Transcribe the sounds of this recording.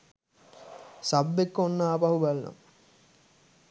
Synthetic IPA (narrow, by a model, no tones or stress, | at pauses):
sabːekːonːaːpaɦubalna̰m